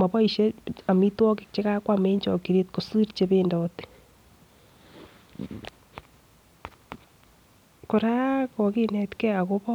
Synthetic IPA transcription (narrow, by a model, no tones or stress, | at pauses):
aβoiʃeamitwɔke̥t͡ʃeɣakwameːɲt͡ʃokiɾetkosiɾit͡ʃeβendote̥ | koɾakoɣinetkeaɣoβo